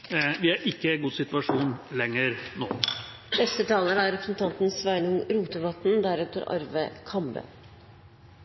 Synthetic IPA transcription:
ʋɪæɾʔɪkːəɡuːsɪt̪ʋɑʂuːnlɛŋəɾno̰ː | bɛst̪ət̪ʰɑːləɾəæɾɾɛpɾ̥sn̩t̪ʰɑnt̪n̩sʋæɪnʊŋɾuːt̪əʋɑt̪nd̪æɾʉːt̪əɾɑ̰ɾʋə̰kʰɑmbə̰

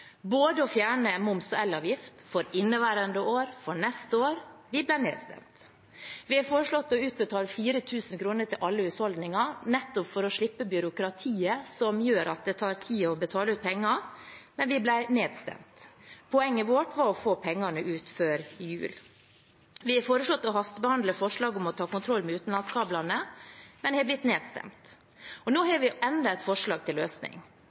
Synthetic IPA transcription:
boːd̪əɔfjæːɳəmʊmsɔɛlːɑːʋjɪft̪fɔɾɪnːəʋæːɾənd̪əʔoːɾfɔɳɛst̪əoːɾʋɪblæɪnḛːd̪st̪ɛ̰mt̪ | ʋɪæfoːɾəʂɭɔt̪ːɔʉːt̪̚bət̪ʰɑːləfiːɾət̪ʰʉːsən̩kʰɾuːnəʈʰɪlʔɑlːəʉshɔld̪nɪŋɑnɛt̪ːʊpfɔɾɔʂɭɪpːəbjʏɾʊkɾɑt̪ʰiːəsɔmjøːɾɑt̪̚d̪ɛːt̪ʰɑːɾt̪ʰiːɔbət̪ʰɑːləʉːt̪̚pʰɛŋːɑmɛnʋɪblæɪneːd̪st̪ɛ̰mt̪pʰɔɛŋːəʋoʈʋɑɾɔfoːpʰɛŋːɑnəʔʉːt̪føːɾjʉ̰ːl | ʋɪhɑfoːɾəslɔt̪ːɔɦɑst̪bəhɑnd̪ləfɔʂɭɑːɡʊmɔt̪ʰɑːkʊnt̪ʰɾɔlmɛʉːt̪n̩lɑnskɑːblɑnəmɛnd̪ɛhɛblɪt̪ːneːd̪st̪ɛ̰mt̪ | ɔnoːɦɑɾʋɪʔɛnd̪ɑɛɪt̪fɔʂɭɑːɡ̚t̪ʰɪlːøːsnɪ̰ŋ

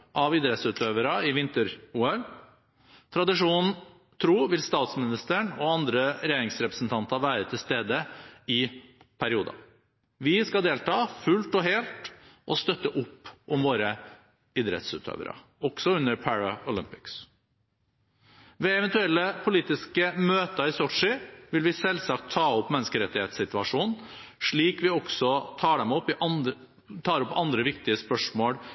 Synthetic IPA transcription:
ʔɑʋɪd̪ɾɛt̪sʉːt̪ʰøːʋəɾɑɪʋɪnt̪əɾuːɛl | t̪ʰɾɑd̪ɪʂuːnn̩ | t̪ʰɾuːʋɪlst̪ɑːt̪smɪnɪst̪əɳɔɑnd̪ɾəɾɛjeːɾɪŋsɾɛpɾəsn̩t̪ʰɑnt̪ɑʋæːɾət̪ʰɪlst̪eːd̪əɪpʰæɾɪuːd̪ɑ̰ | ʋɪskɑd̪eːlt̪ʰɑːfʉlt̪ɔɦeːlt̪ʔɔst̪œt̪ːəʔʊpːʔɔmʋoːɾə | ɪd̪ɾɛ̰t̪sʉ̰ːt̪ʰø̰ːʋə̰ɾə̰ | ɔɡ̥sɔʉnːəɾpʰæɹɑʊlɪmpɪ̥ks | ʋɛɛʋɛnt̪ʉɛlːəpʰʊliːt̪ɪskəmøːt̪ɑɪsɔʈʂɪʋɪlʋɪsɛlsɑk̚t̪ʰːɑːɔpːmɛnːəskəɾɛt̪ːɪheːt̪sɪt̪ʉɑʂuːnnʂɭiːkʋɪɔɡsɔt̪ʰɑːɖ̪ɛmɔpːɪʔɑ | t̪ʰɑːɾɔpːɑnd̪ɾəʋɪkt̪ɪəspœʂmoːɽ

